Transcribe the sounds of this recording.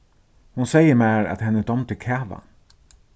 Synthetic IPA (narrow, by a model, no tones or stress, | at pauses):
hunsɛjəmæːɹæ̰t̪hɛnːəd̪ɔmt̪ʰɪkʰæːʋa̰